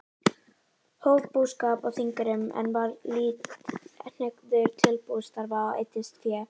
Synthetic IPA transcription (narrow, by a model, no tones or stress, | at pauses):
hoːwvpuskaːpawθiŋkaɾʏmɛ̰nvaɾliːtn̥ʏkðʏɾ̥t̪ʰɪlpust̪aɾvaːaḛːjt̪ɪst̪fjɛː